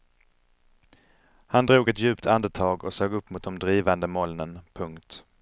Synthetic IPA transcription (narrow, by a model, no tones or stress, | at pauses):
hand̪ɾuːɡɛt̪jʉ̟ːpt̪ʰand̪ət̪ʰɑːɡɔsøːɡɵpːmʊt̪̚d̪ɔmd̪ɾiːvand̪əmɔlnənpʰɵŋkt̪